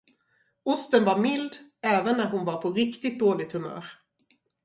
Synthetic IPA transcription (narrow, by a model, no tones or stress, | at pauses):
ʊst̪ənvaɾmɪld̪ɛːvənːæɾhʊnvaɾpʰɔɾɪkt̪ɪt̪̚d̪oːlɪɡ̚t̪hɵmœ̰ːɾ